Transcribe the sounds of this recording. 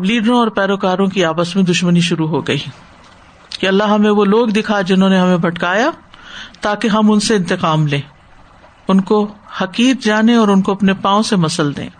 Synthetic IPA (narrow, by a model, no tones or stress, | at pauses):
liːɖɾõɔːɾpɛːɾoːkaːɾõkiaːpəsmẽd̪ʊʃməniʃʊɾuɦoɡɐi | kiɐlːaɦɐmẽʋoloːɡd̪ɪkʰad͡ʒɪnɦõːneɦɐmẽbʱɐʈkaːjat̪aːkeɦɐmʊnseɪ̃nt̪ɪqaːmlẽː | ʊnkohɐqiːɾd͡ʒaːnẽɔːɾʊnkoɐpnepãːõsemɐsəld̪ḛ̃ː